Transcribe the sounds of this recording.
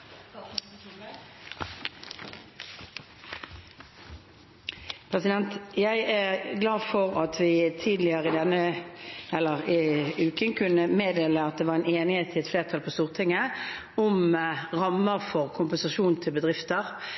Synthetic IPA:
pʰʁɛsɪd̪ɛnt̪jæɪæʁɡlɑːfɔʁɑt̪ʰʋɪt̪ʰiːd̪lɪəʁəɪd̪ɛnːə | ɛlːəʁɪʉːkənkʰʉnːəmeːd̪eːləɑt̪̚d̪ɛːʋɑːʁɛɪneːnɪheːt̪ʰɪlɛt̪fleːʁt̪ʰɑlpʰɔːst̪uːʁt̪ʰɪŋːə | ʊmʁɑmːəʁfɔʁkʰʊmpɛnsɑʃuːnt̪ʰɪlbəd̪ʁɪft̪əʁ

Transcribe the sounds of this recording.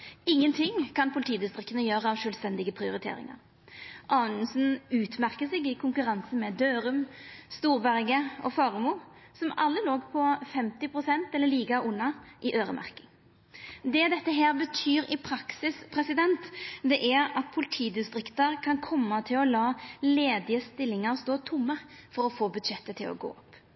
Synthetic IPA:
ɪŋːənt̪ʰɪŋkʰɑnpʰʊlɪt̪ʰiːd̪ɪst̪ʁɪkt̪ənəjøːɾəɑʋʃœːlst̪ɛnd̪ɪɡəpʰɾɪʊɾɪt̪ʰḛːɾɪ̰ŋɑ̰ɾ | ʔɑːnsn̩ʉːt̪mæʁkəsɛɡɪkʰʊŋkʉʁɑnsənmɛd̪øːɾʉmst̪uːʁbæʁɡəɔ̰fɑːʁmuːsɔmɑlːəloːɡpʰɔfɛmt̪ɪpʰʁʊsɛnt̪ɛlːəliːɡɑʔʊnːɑʔɪʔøːɾə̰mʔæ̰ʁkɪŋ | d̪ɛːd̪ɛt̪ːəɦæːɾbət̪ʰyːɾɪpʰɾɑksɪspʰɾɛsɪd̪ɛnt̪d̪ɛʔæɾɑt̪̚pʰʊlɪt̪ʰiːd̪ɪst̪ɾɪkt̪əɾkʰɑnkʰɔmːət̪ʰɪlɔlɑːleːd̪ɪəst̪ɪlːɪŋɑʁst̪oːt̪ʰʊmːəfɔɾɔfoːbʉd̪ʃɛt̪ːət̪ʰɪlɔ̰ɡo̰ːɔpː

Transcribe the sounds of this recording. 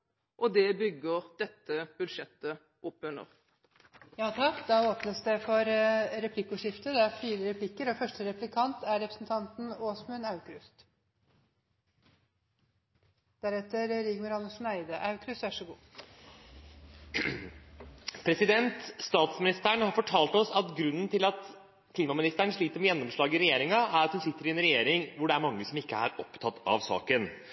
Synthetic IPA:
ʔɔd̪ɛbʏɡːəʁd̪̥ɛt̪ːəb̥ʉlʂɛt̪ːə | ʔɔpːʉnːə̰ʁ | jɑːt̪ʰɑkːd̪ɑːoːpnəsd̪ɛfɔɾɾɛpʰlɪkːʊʂɪft̪əd̪ɛæfiːɾəɾɛpʰlɪkːəɾɔfœʂʈəɾɛplɪkʰɑnt̪ʰæɾɛpɾəsnt̪ʰɑnt̪n̩oːsmʉnɑʉkɾʉst̪ | d̪̥æɾɛt̪əɾɾɪɡməɾɑnəʂnæɪd̪əʔɑʉkʰɾʉst̪ʋæʂəɡuː | pʰɾɛsɪd̪ɛnt̪st̪ɑːt̪smɪnɪst̪æɳhɑɾfɔʈʰɑːlt̪ɔsɑt̪ɡɾʉnːənt̪ʰɪlɑt̪ | kʰliːmɑmɪnɪst̪æɳəʂɭiːt̪əɾmɛjɛnːɔmʂɭɑːɡəɾɛjeːɾɪŋɑʔæɾɑt̪hʉnsɪt̪ːəɾɪɛnɾɛjeːɾɪŋʋʊɖɛæɾmɑŋːəsɔmɪkːəæ̰ɾɔpt̪ʰɑt̪ːɑ̰ʋsɑ̰ːkən

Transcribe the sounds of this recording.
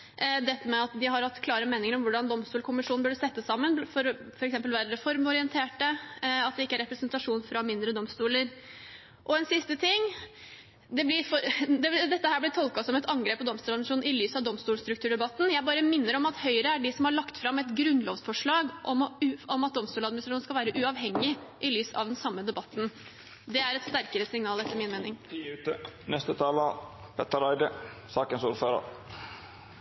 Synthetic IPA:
d̪ɛt̪ːəmɛɑt̪d̪ɪhɑɾhɑt̪ːkʰlɑːɾəmeːnɪŋəɾɔmʋʊɖɑnd̪ɔmst̪uːlkʊmɪʂuːnn̩bœɖəsɛt̪ːəsːɑmːənfɔɾfɔɾɛksɛmpəlʋæɾɾɛfɔɾmɔɾɪənt̪ʰeːʈəɑt̪d̪ɛɪkːəæɾɛpɾɛsənt̪ɑʂuːnfɾɑmɪnd̪ɾəd̪ɔmst̪uːləɾ | ʔɔɛnsɪst̪ət̪ʰɪŋː | d̪ɛblɪɾfɔd̪ɛd̪ɛt̪ːəhæːblɪt̪ʰɔlˠkɑsɔmɛt̪ɑŋɡɾeːpːɔd̪ɔmst̪uːlɑmɪʂuːnɪlyːsɑʋd̪ɔmst̪uːlst̪ɾʉk̚t̪ʉːɖɛbɑt̪ːn̩jæɪbɑːɾəmɪnːəɾɔmɑt̪hœʏɾəæɖɪsɔmhɑɭɑkt̪fɾɑmɛt̪ɡɾʉnloːʋsfɔʂɭɑːɡʔɔmɔmɑt̪̚d̪ɔmst̪uːlɑd̪mɪnsɾʂuːn̩skɑʋæːɾəʔʉɑʋɦɛŋːɪʔɪlyːsɑ̰ʋd̪ɛnsɑmːəd̪ɛbɑt̪ːn̩ | d̪ɛæɾɛt̪st̪æɾkəɾəsɪŋnɑːlɛt̪ːəɾmɪnmeːnɪŋːt̪ənɛst̪ət̪ʰɑːlə | pʰɛt̪əɾæɪd̪əsɑːkənsuːɾføːɾə̰ɾ

